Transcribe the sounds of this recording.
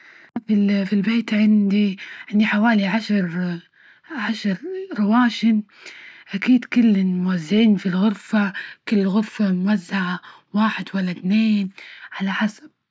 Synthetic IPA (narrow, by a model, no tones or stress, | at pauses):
fifilbeːt̪ʕɪnd̪iʕɪnd̪iħawaːliʕaʃɾˤ | ʕaʃɾˤɾˤɑwaːʃɪn | ʔakiːd̪kɪlːɪmʊwazːɪʕiːnfilɣʊɾfakɪlːɣʊɾfamʊwazːaʕa | waːħɪd̪walːat̪neːnʕalaħasḁb̥̚